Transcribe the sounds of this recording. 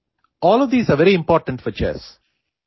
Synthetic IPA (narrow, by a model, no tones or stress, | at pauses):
ʔɔːlɔʋd̪iːsaːʋɛɾiɪ̃mpɔːɾʈə̃ɳʈfɔt͡ʃɛ̰ːs